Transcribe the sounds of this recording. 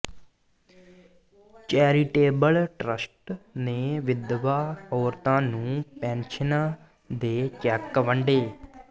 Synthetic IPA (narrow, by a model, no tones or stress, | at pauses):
t͡ʃɛːɾiʈeːbəlʈɾəsʈneːʋɪd̪ʋaːɔːɾt̪ãːnũːpɛ̃ːnʃən | d̪eːt͡ʃɛːkːəʋəɳɖeː